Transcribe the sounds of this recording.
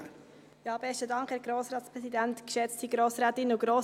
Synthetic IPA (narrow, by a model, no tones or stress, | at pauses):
jɑːbɛstədɑŋkhæːɾɡɾoːsɾɑːtspɾɛsidæntkʃɛt͡stiɡɾoːsɾɛːtɪnuɡ̥ɾoː